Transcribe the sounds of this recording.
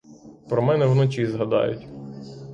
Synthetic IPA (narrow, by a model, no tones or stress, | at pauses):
pɾɔmɛnɛwnɔt͡ʃizɦɐd̪ɑ̰jʊ̰tʲ